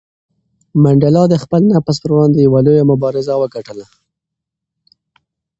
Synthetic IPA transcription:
maɳɖalɑd̪əxpəlnapaspəɾwɑnd̪ejawalojamʊbɑɾɪzawəɡaʈəla

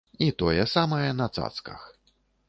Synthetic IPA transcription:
it̪ɔjɛsamɐjɛnɐt̪sa̰t̪skɐ̰x

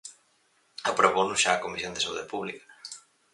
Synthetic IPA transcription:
apɾoβonʊsʃaːkomisjond̪esaṵðepuβlikḁ

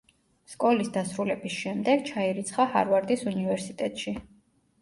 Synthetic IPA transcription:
skʼɔlisd̪asɾulɛbisʃɛmd̪ɛɡ̥̚t͡ʃʰaiɾit̪sʰχaha̰ɾvaɾd̪isunivɛɾsit̪ʼɛt̪ʼʃi

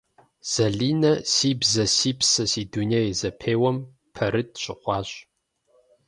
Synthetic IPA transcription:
z̥ɐɮiːnɐsiːbzɐsiːbsɐsiːdunejzɐpʰeːwɐm | pʰɐɾɨt̚ʰɕʼɪ̰χʷɑːɕʼ

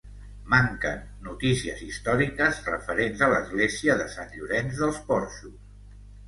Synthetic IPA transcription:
maŋkə̰nːut̪isiəzist̪ɔɾikəzrə̰fəɾenzələzɣleziəðəsanʎuɾɛnzðəlˠspɔɾʃus

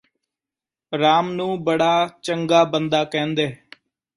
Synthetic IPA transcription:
ɾaːmnũːbəɽaːt͡ʃəŋɡaːbənd̪aːkɛ̃ːnd̪eː

